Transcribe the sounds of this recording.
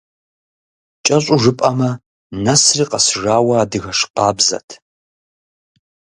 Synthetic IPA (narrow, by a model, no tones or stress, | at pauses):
t͡ʃʼɐɕʼʊʐɨpʼɐmɐ | nɐsriːqɐsʐaːwɐːdɨɣɐʂqɑːbzɐ̰tʰ